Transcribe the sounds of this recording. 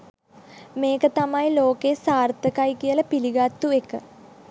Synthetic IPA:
meːkət̪amajloːkesaːrt̪əkajkiəlɐpiliɡat̪ːuekə̰

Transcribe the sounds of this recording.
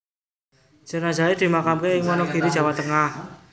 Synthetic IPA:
d͡ʒ̥ənaza̤ed̪̥i̤makamkeɪŋwɔnɔɡ̥i̤ɾid̥ʒ̥a̤wat̪əŋah

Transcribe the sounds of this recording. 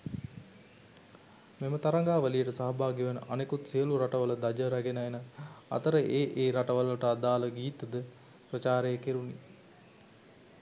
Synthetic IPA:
memət̪aɾaŋɡaːʋəlijəʈəsaɦɐbaːɡiʋənə̰ʔanekut̪sijəluɾaʈəʋələd̪ad͡ʒəɾaɡenaenəa̰t̪əɾəʔeːʔeːɾaʈəʋələʈəad̪aːləɡiːt̪əd̪ə | pɾət͡ʃaːɾejəkiɾuni

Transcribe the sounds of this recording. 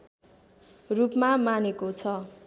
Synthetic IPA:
rupmamanekot͡sʰʌ

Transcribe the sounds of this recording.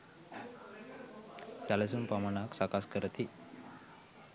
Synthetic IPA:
salasunpamaɳaksakaskəɾət̪i

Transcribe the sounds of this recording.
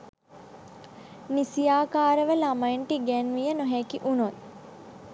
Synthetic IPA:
nisijaːkaːɾəʋəlamajɳʈiɡɛnʋijənoɦɛkiʔunot̪̚

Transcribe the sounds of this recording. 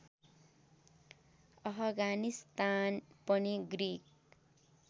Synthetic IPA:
ʌpʰʌɡanist̪anpʌniɡrik̚

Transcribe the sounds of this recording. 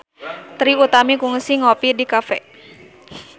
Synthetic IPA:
t̪ɾiut̪amikuŋsiŋɔpidikafɛ̰

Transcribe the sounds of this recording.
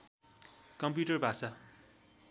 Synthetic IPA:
kʌmpjuʈʌrbʱasa

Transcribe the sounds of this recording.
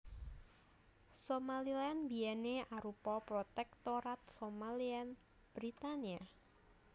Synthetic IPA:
somalianbiɛneʔaɾupɔpɾot̪ɛk̚t̪oɾat̪̚somalian | b̥ɾit̪ania

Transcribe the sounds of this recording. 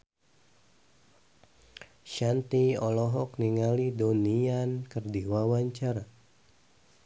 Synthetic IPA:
ʃant̪iɔlɔɦɔk̚niŋalidoniankərdiwawaɲt͡ʃaɾa

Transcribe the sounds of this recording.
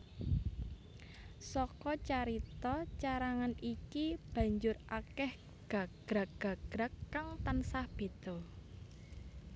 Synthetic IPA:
sɔkɔt͡ʃaɾit̪ɔt͡ʃaɾaŋanikib̥ä̤ɲd͡ʒʊrʔakɛh | ɡ̥a̤ɡ̥ɾa̤kɡ̥a̤ɡ̥ɾakːaŋt̪ansahb̥e̤t̪ɔ

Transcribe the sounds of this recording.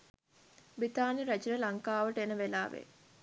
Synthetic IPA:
bit̪aːniɾæt͡ʃiɾəlaŋkaːʋəʈəenəʋelaːʋḛ

